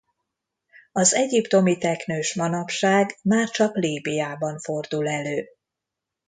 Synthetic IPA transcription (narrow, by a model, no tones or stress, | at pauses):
ɒzɛɟipt̪o̞mit̪ɛknøːʃmɒnɒpʃaːɡmaːrt͡ʃɒkliːbijaːbɒɱfo̞rd̪ulɛløː